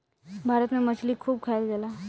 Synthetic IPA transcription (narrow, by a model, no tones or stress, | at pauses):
bʱaɾət̪memət͡ɕʰliːkʰːuːb̚kʰajlɡala